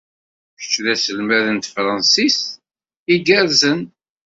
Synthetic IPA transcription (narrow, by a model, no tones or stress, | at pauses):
çə̥t͡ʃːðæsəlmæðənt̪fɾˤɑnsis | iɡæɾzən